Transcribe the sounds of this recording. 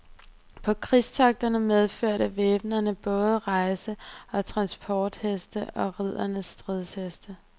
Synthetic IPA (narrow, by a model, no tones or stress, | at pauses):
pʰɒ̽kʰʁist͡sʰɑ̈ɡ̥̚d̥ɐnəmeð̞ˠføɐ̰ɾəʋeːb̥nɐnəb̥ɔ̽ːð̞ˠəʁɑ̈ɪsəɒ̽t͡sʰʁɑ̈nsb̥ʰɒːd̥hesd̥əʔɒ̽ʁið̞̰ˠɐnəsːd̥ʁiðˠshesd̥ə